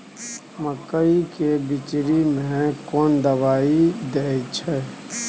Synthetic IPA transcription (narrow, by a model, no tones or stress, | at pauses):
məkəikebɪt͡ʃɾimẽkɔːnd̪əbaːid̪eːt͡ʃʰɛ